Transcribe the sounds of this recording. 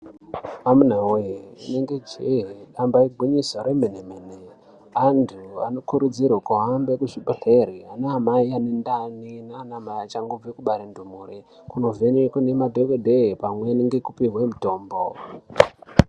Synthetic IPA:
amun̤aweineŋɡed͡ʒeɦiɗambaiɡʱiɲisoɾemenemene | antʰua̰no̞kuɾud͡zirwokuɦambekuʐiɓeɬeɾianaamaianendaninaːnaamaiat͡ʃaŋɡob͡vekuɓaɾendumuːre | kuno̞venekunemadʱekedʱepamweniŋɡekupiɦwemuto̞ːmbo

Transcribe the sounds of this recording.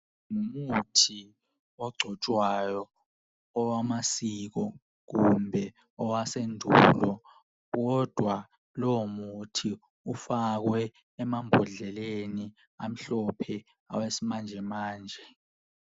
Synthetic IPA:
numutʰi | ɔɡ͡ǀʱɔt͡ʃʼwajɔ | ɔwamasik̬ɔ | k̬umbʱɛ | ɔwasendʱulɔ | k̬ɔd̥ʱwa | lɔmutʰi | ufak̬wɛː | mambʱɔɮɛleni | am̩ɬɔpʰɛ | a̰wesimand͡ʒʱɛmaːnd͡ʒʱɛ

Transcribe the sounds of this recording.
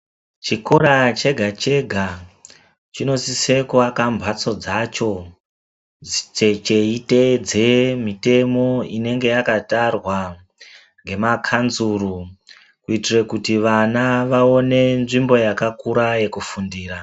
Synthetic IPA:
t͡ʃikoɾat͡ʃe̞ɡʱat͡ʃe̞ɡʱa | t͡ʃino̞sise̞kakambʱat͡so̞d͡zat͡ʃo̞ | t͡ʃet͡ʃe̞ite̞d͡zemite̞mo̞ine̞ŋɡe̞jakatarwa | ŋɡe̞makʰanzuru | kuitire̞kutiʋanaʋao̞ne̞nʐimbo̞jakakuɾaje̞kufundiːra

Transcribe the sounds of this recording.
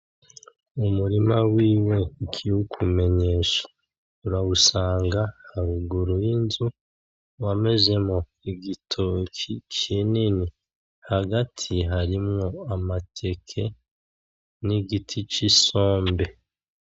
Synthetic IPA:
umuɾimawiːwe̞kʰiwukʰume̞ɲe̞ːʃḁ | uɾawusaːŋɡahaɾuɡuɾujinzu | wame̞ze̞mo̞ | iɡitʰokʰit͡ʃinini | haɡatʰiɦaɾimŋo̞amatʰe̞kʰe̞ | niɡitʰit͡ʃiso̞ːmbe̞

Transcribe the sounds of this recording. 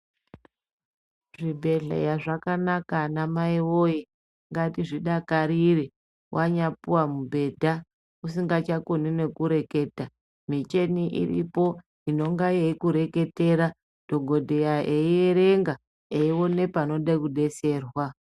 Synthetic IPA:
ʐibʱe̞ɮḛjaʐakanakanamaiwoji | ŋɡatiʐiɗakaɾiri | waɲapuwamubʱe̞dʱa | usiŋɡat͡ʃakonine̞kuɾe̞ke̞ːta | mit͡ʃe̞niʔḭrḭpo̞ | ino̞ŋɡajeikuɾeke̞te̞ɾa | d̥ʱo̞ɡʱo̞dʱe̞jaʔeieɾe̞ŋɡa | eiwo̞ne̞pano̞ɗakuɗe̞se̞ːrwa

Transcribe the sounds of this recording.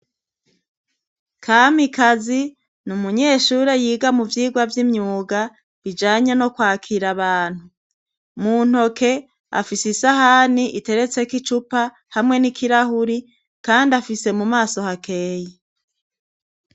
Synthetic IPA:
kʰamikazi | numuɲe̞ːʃuɾe̞jiːɡamuvjiːɡwavjimɲuːɡa | βid͡ʒaːɲeno̞kwaːkʰiɾaβaːn̥hu | mun̥ho̞kʰe̞ | a̰fisisaɦaniʔite̞ɾe̞t͡se̞kit͡ʃupa | hamŋe̞nikʰiɾaɦuɾi | kaːndafise̞mumaːso̞hake̞ːje

